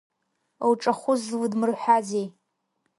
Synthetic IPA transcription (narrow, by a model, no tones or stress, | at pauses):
owʈ͡ʂʼaχʷʊzwudmɨrħʷazej